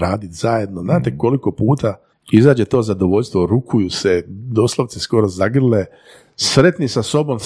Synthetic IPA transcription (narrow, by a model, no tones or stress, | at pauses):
ɾaːd̪it̪z̥aje̞d̪noznaːt̪e̞ko̞liko̞puːt̪a | izaːd͡ʑet̪o̞ːzad̪oʋo̞ʎʲst̪ʋo̞ɾukʰujused̪o̞slˠoʋt̪sisko̞ɾozaɡr̩le | sɾe̞t̪nisaso̞bo̞m